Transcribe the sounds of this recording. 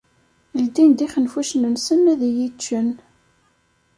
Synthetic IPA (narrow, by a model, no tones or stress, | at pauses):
ld̪ind̪iχənfuʃnənsənːæðijit͡ʃːən